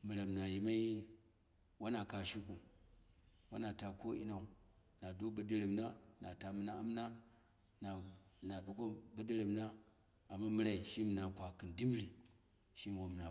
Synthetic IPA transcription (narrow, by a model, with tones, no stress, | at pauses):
mi˨ɾa˨m˨na˨ji˨ma˦i˦ | wa˦na˨ka˨ʃi˦ku˨ | wa̰˦na˨ta˨ko˦ḭ˦na˨u˨ | na˨do˦bə˦di˦ɾi˨mna˦˨na˨ta˨mi˨˦na˦a˦m˦na˦ | na˨na˨ɗu˨˦ko˦bə˦di˦ɾe˨m˨na˦ | a˨mːa˦mi˦ɾa˦i˨ʃi˦mi˨na˨kʷa˨ki˨ndi˦m˦ɾi˨ | ʃi˦˨wo˨m˨na˨